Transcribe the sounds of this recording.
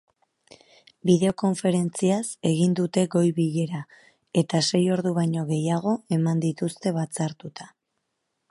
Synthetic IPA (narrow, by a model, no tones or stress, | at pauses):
biðe̞o̞ko̞ɱfe̞ɾe̞nt͡siase̞ɣind̪ut̪e̞ɡo̞jβiʎe̞ɾa | e̞t̪ase̞jo̞ɾðuβaɲo̞ɣe̞jaɣ̞o̞e̞mand̪it̪ust̪e̞βat͡saɾt̪ut̪ḁ